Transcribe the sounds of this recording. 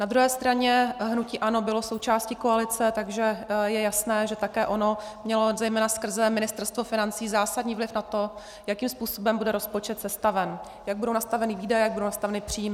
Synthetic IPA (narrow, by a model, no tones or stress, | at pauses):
nad̪ɾuɦɛːst̪ɾaɲɛɦnuciːʔano̞bɪlosowt͡ʃaːscikoalɪt͡sɛt̪aɡʒɛjɛjasnɛːʒɛt̪akɛːʔo̞no̞mɲɛlo̞zɛjmɛːnaskr̩zɛmɪnɪst̪ɛɾst̪vo̞fɪnant͡siːzaːsadɲiːvlɪfnat̪o̞ | jakiːmspuːso̞bɛmbudɛɾospot͡ʃɛt̪sɛst̪avɛn | jaɡ̚budownast̪avɛnɪviːdajɛjaɡ̚budownast̪avɛnɪpr̥iːmɪ